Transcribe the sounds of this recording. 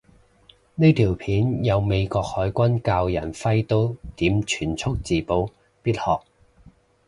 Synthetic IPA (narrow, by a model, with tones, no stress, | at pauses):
niː˥t̪ʰiː˨˩wpʰiː˨˥njɐ˨˧wme˨˧jkɔː˧k̚hɔː˨˥jkʷɐ˥nkaː˧wjɐ̰˨˩nfɐ˥jt̪o˥wt̪iː˨˥mt͡ʃʰyː˨˩nt͡sʰʊ˥k̚t͡siː˨po˧w | piː˥t̚hɔː˨k̚